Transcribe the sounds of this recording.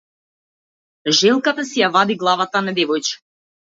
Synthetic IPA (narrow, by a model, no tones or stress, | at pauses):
ʒɛlˠkat̪asijavad̪iɡlˠavat̪anad̪ɛvɔjt͡ʃi̥